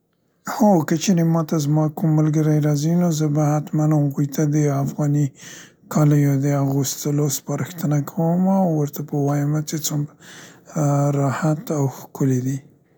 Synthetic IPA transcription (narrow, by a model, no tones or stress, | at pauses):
hokət͡ʃeɾemɑt̪azmɑkʊmːalɡəɾajɾɑzinozəbahat̪manaɣujt̪ad̪əafɣɑni | kʰɑləjod̪əaɣust̪əlospɑɾəxt̪ənakʰawəmawːəɾt̪apəwɑjəmat͡ʃet͡sum | ɾɑhat̪awxkʊled̪i